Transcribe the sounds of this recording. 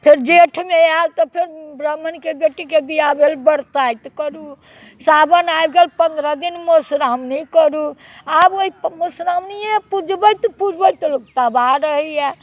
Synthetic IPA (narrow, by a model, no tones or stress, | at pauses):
pʰeɾd͡ʒeʈʰmealt̪ɔpʰeɾbɾəmənkeɡeʈikebijabʱelbəɾt̪ajt̪kəɾu | sabənajbɡelpənd̪ɾəd̪inmosɾamnikəɾu | aboɦipmosɾamnijepud͡ʒbəjt̪pud͡ʒbəjt̪lokt̪abaɾəɦijɛ